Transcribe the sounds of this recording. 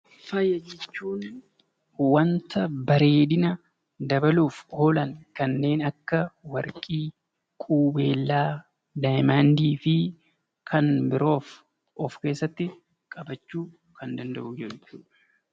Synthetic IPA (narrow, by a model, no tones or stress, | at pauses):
fɐjːɐd͡ʒɛt͡ʃːuːn | wɐnt̪ɐbɐɾe̞ːd̪ɪnɐ | d̪ɐbɐluːfhoːlɐŋkɐnːe̞ːnɐkːɐwɐɾkʼiː | kʼuːbe̞ːlːaː | d̪ajmaːnd̪iːfɪ | kʰɐnbɪɾo̞ːf | ʔɔfke̞ːsːɐt̪ːɪ | kʼɐbɐt͡ʃːuː | kɐnd̪ɐnd̪ɐʔuːd͡ʒɛᶑʊt͡ʃːṵː